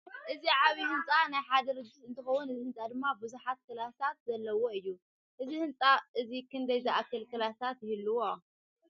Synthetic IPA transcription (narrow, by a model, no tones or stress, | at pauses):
ʔɨziʕaβihɨnt͡sʼanajħad̪ɐɾɨd̪ɨsɨnt̪ʰɨxɐwunɨzihɨnt͡sʼad̪ɨmːabɨzuħat̪̚kɨlasat̪zɐlːɐwo̞ɨjːu | ʔɨzihɨnt͡sʼaʔɨzikʰɨnd̪ɐjzɐʔakːɨlkʰɨlasat̪jɪhɨlːɨwo